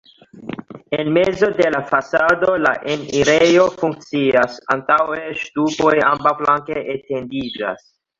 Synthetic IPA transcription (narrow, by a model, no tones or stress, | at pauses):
enmezo̞de̞lafasado̞la̰ʔeniɾejo̞fuŋk̚t͡siasa̰ntawe̞ʃtupo̞jambawflaŋkeʔete̞ndid͡ʒa̰s